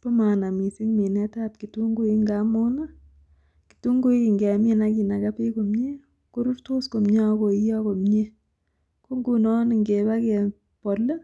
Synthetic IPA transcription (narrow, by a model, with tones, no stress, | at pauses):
po˦ma˨na˨mi˨si˦ŋmi˨nɛ˦ta˦p̚ki˨tu˦ŋɡu˦i˦ŋɡa˦mo˦na˦ | ki̥˨tu˦ŋɡu˦i˨ŋɡe˨mi˦na˦ki˨na˨kapi˦ko˨mɲe˦ | ko˦ɾu˦ɾto˦sko˨mɲa˦ko˨i˦jɔ˦ko˨mɲe˦ | ko˦ŋɡu˨nɔ˦ni˨ŋɡe˨ba˦ke˨ | pɔ˨lːe˦